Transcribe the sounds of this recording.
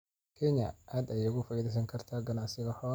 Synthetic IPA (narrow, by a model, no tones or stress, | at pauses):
kʰɛɲɐ̰ʔaːd̪ɛjɛɣʊfɐiðɛjs̬ɐŋkʰɐrt̪ʰaːɡɐnaʕsɪɣɐhɔː